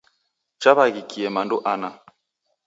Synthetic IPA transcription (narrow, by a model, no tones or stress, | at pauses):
t͡ʃaβaɣikiɛmanduʔana